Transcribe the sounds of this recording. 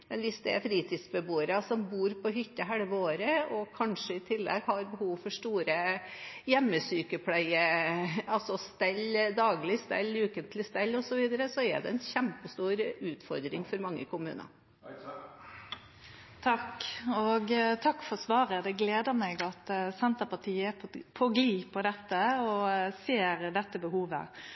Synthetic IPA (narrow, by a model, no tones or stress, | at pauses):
mɛnʋɪsd̪ɛɛfɾiːt̪ʰiːd̪sbəbuːəɾɑsɔmbuːɾpɔɦʏt̪ːəɦæɽʋəoːɾəɔkʰɑnʂəɪt̪ʰɪlːɛ̰ɡhɑɾbəhuːʋfɔʂʈuːɾəjɛmːəsyːkəpʰlæɪə | ɑlsɔst̪ɛlːd̪ɑːɡlɪst̪ɛ̰lːʉːkənt̪ʰlɪst̪ɛlːɔsɔʋiːd̪əɾəsɔɛ̰ɖ̪ɛ̰ɛnçæmpəst̪uːɾʉːt̪fɔɾd̪ɾɪŋfɔɾmɑŋːə̰kʰʊmʉ̰ːnə̰ | t̪ʰɑkːɔɡt̪ʰɑkːfɔɾsʋɑːɾəd̪ɛɡleːd̪əʁmɛɡɑt̪sɛnt̪əpɑt̪ʰiːəɛpʰɔɡliːpʰɔd̪ɛt̪ːəɔseːɾd̪ɛt̪ːəbəhuːʋə̰